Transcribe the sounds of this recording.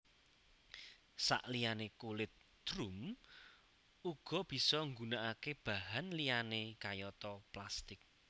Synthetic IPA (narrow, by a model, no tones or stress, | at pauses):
sa̰ʔlijanekulɪt̪̚ | d̪̥ɾum | uɡ̥ɔ̤b̥i̤sɔŋɡunaʔakeb̥a̤ɦanlijanekajɔt̪ɔplast̪ɪk̚